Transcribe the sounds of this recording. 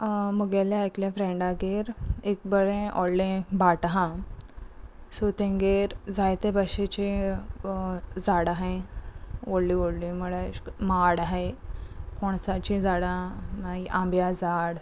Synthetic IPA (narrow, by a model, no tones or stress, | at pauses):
məɡaljaajkljafɾẽɳɖaɡeɾek̚bəɾẽʔɔɽlĩbaʈɦã | sot̪ẽŋɡeɾd͡zajt̪ebaɕet͡ɕi | d͡zaɽaɦe | oɽlioɽlĩməɭemaɽaɦe | koɳ̃sat͡ɕĩd͡zaɽanaiʔãmbjad͡zaɽ